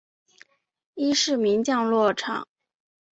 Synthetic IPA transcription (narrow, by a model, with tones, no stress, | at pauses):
i˥ʂɻ̩˥˩mi˧˥nt͡ɕjɑ˥˧ŋlwɔ˥˩ʈ͡ʂʰɑ̰˨˩˦ŋ